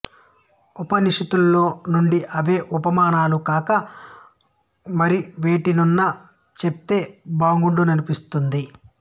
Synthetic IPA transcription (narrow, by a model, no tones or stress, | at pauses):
upɐniʂɐt̪ulːo̞ːnuɳɖiʔɐʋe̞ːʔupɐmaːnaːlukaːkɐ | mɐɾiʋe̞ːʈinunːɐ | t͡ʃep̚t̪e̞ːbaːŋɡuɳɖunɐnipist̪und̪i